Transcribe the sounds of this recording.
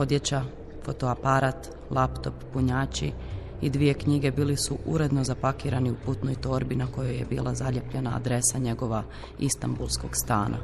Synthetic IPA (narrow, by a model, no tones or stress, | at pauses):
o̞d̪je̞t͡ɕa | fo̞t̪oapaɾat̪ | lˠapt̪o̞pːuɲaːt͡ɕi | id̪ʋije̞kɲiɡe̞biːlisuʔuɾe̞d̪no̞zapakiːɾaniuput̪nojt̪o̞ɾbinako̞joje̞̰bḭːlˠazaʎepʎe̞na̰ːd̪ɾe̞saɲe̞ɡo̞ʋa | ist̪ambulˠsko̞ɡst̪aːnʔa̰